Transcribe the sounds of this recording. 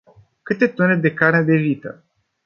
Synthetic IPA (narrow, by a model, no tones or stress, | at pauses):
kɨt̪e̞t̪oned̪e̞karned̪e̞vit̪ə̰